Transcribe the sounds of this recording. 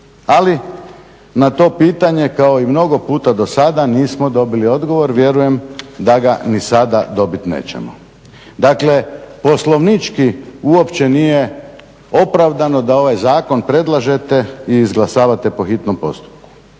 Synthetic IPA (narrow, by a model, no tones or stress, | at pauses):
ali | nat̪o̞ːpiːt̪aɲe̞kao̞imno̞ɡo̞puːt̪ad̪o̞sad̪aniːsmo̞d̪o̞bilio̞d̪ɡo̞ʋo̞ɾʋje̞ɾuje̞md̪aɡanisad̪ad̪o̞bit̪nḛːt͡ɕe̞̰mo̰ | d̪aːkle̞po̞slˠo̞ʋnit͡ʃkiuo̞pt͡ɕe̞nije̞ | o̞pɾaʋd̪ano̞d̪ao̞ʋajzaːko̞npɾe̞d̪lˠaʒe̞t̪e̞iːzɡlˠasaːʋat̪e̞po̞xit̪nompo̞̰st̪u̥p̚ku̥